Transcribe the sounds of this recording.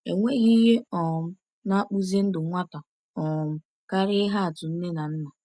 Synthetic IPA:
e˨ŋʷe˦ɣi˦ɦe˦ɔ˨m̩˦ | na˦k͡pu˦ze˦n̩˦dʊ˨ŋʷa˦ta˨ | ɔ˨m̩˦ | ka˦ɾɪ˦ɦa˦a˨tʊ˨n̩˦ne˦na˨n̩˦na˨

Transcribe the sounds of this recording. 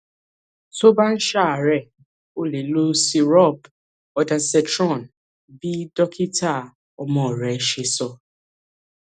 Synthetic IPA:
so˦ba˦n̩˦ʃa˦˨ɾɛ˨ | o˦le˨lo˦si˧ɾɔ˦˨b | ɔ˨˦dã˨˦sɛ˧tɾɔ̃˦˨n | bi˦dɔ˦kʰi˦ta˦˨ | ɔ˦mɔ̃˦˨ɾɛ˨˦ʃe˧sɔ˧˨

